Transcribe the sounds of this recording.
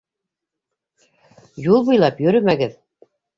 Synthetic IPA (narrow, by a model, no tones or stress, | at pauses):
julˠbujlˠɑpjɵ̆ɾɵmæɡɘð